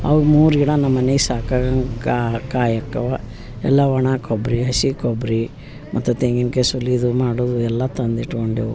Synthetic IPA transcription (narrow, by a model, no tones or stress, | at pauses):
ɐ̰ʋumuːɾiɽɐnɐmːɐnejsaːkɐɡɐŋkakaːjɐkːɐʋɐ | ɛlːɐʋɐɳaːkʰobɾiɦɐsikobɾi | mʔɐt̪ːut̪eŋɡinkesuliːd̪umaːɽoːd̪uɛlːɐt̪ɐnd̪iʈkoɳɖeu